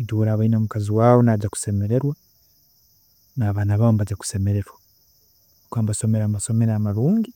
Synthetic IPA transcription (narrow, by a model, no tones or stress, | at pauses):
duːɾaːβainamukaziwaːβonaɟaku̥se̞me̞ɾe̞ɾwa | naːβanaβaβombaɟaku̥se̞me̞ɾe̞ɾwa | kaːmbaso̞me̞ɾaːmaso̞me̞ɾamaɾuːŋɡi